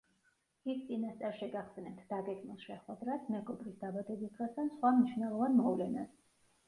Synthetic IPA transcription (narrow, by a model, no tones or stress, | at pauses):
ist̪sʼinast̪sʼaɾʃɛɡaχsɛnɛpt̪ʰd̪aɡɛɡmilˠʃɛχwɛd̪ɾasmɛɡɔbɾisd̪abad̪ɛbisd̪ʁɛsd̪ansχwamniʃvnɛlˠɔvanmɔvlɛnas